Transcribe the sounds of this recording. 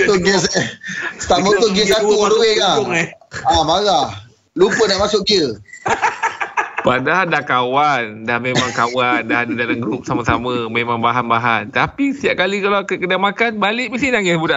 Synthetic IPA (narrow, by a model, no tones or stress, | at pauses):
t̪oɡəs | st̪aʔmə̃t̪ʊɡiəsat̪uaduwɛla | amaɣah | lupənaʔmasʊʔɡiə | padadakawandahmemaŋkawandahadadalaŋɡəɾup̚samasamãmemãŋbaɦanbaɦant̪apist̪iaʔ̚kalikalawkəkədamakanbalɪʔmisinaŋɪsbuda